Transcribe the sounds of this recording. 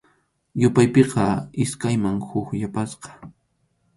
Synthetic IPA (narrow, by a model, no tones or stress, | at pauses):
jʊpajpeqɑɪskajmaŋhʊkʎapasqɑ̥